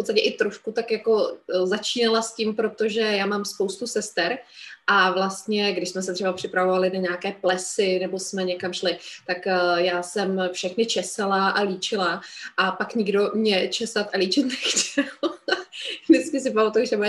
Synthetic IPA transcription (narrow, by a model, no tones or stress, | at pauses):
fpot̪st̪acɛʔɪt̪ɾufkut̪akjako̞zat͡ʃiːnalascimpɾo̞t̪o̞ʒɛjaːmaːmspowst̪usɛst̪ɛɾʔavlast̪ɲɛɡdɪʃsmɛsɛt̪r̥ɛbapr̥ɪpɾavovalɪnaɲaːkɛːplɛsɪnɛbosmɛɲɛkamʃlɪt̪akjaːsɛmfʃɛxnɪt͡ʃɛsalaʔaliːt͡ʃɪlaʔapakɲɪɡdo̞mɲɛt͡ʃɛsat̪ʔaliːt͡ʃɪt̪nɛxcɛl | nɪskɪsɪp̬amat̪ulʒɛbuɛ